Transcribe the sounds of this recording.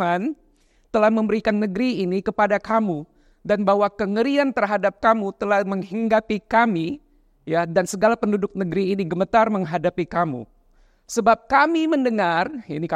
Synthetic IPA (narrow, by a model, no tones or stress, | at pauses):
an | t̪əlahməmbəɾikanːəɡɾiːnikəpadakamu | danbawakəŋəɾiant̪ərɦadap̚kamut̪əlahməŋhiŋɡapikami | jadansəɡalapəndudʊk̚nəɡɾiːniɡəmət̪arməŋɦadapikamṵ | səbap̚kamiməndəŋarinik